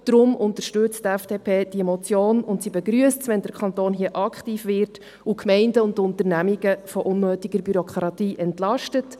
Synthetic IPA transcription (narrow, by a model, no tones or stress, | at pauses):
d̥ɾʊmʔʊntəɾʃtʏt͡sttæfd̥eːpʰeːd̥iemɔt͡sjoːnʊntsiːbɛɡɾyəstsʋɛndəɾkʰχɑntoːnɦiəʔɑkχtiːfʋɪɾt | ukʰmɛɪndəʊntʊntəɾnæmiɡəfɔʔʊnmøːtiɡ̥əɾbyɾɔkχɾɑtiːʔɛntlɑʃtət